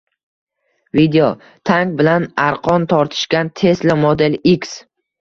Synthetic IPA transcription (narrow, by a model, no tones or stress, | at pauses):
vid̪eo | t̪ʰaŋkbɪlanaɾqʰɒnt̪ʰɒɾt̪ʰɪ̥ʃɡʲant̪ʰe̞slɪmod̪e̞liks